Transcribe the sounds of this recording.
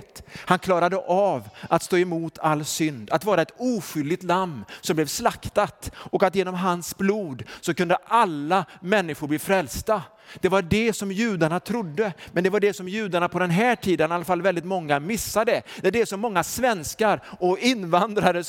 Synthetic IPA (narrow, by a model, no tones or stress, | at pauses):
t̪hankʰlɑːɾad̪əʔavʔat̪st̪oːɛmuːt̪ʰalːsʏnd̪at̪vɑːɾaɛt̪uːɧʏlːɪt̪lamːsɔmblɛvslakt̪at̪ɔkat̪jeːnɔmɦansbluːd̪sɔkɵnd̪əʔalːamɛnːɪɧʊɾbliːfɾɛlst̪a | d̪̥ɛvaɖɛsɔmjʉ̟ːd̪aɳat̪ʰɾʊd̪ːəmɛnd̪ɛvaɖɛsɔmjʉ̟ːd̪aɳapʰɔd̪ɛnɦæːʈʰiːd̪ənalːafalːvɛld̪ɪt̪mɔŋːamɪsːad̪ɛd̪ɛd̪ɛsɔmːɔŋːasvɛnskaɾɔɪnːvand̪ɾaɾə